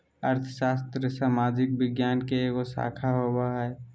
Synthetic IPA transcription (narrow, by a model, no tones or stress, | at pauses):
əɾt̪ʰəʃaːst̪ɾəsaːmaːd͡ʒɪk̚bɪɡjaːnkeeːkosa̰ːkʰaɦoːbaɦɛ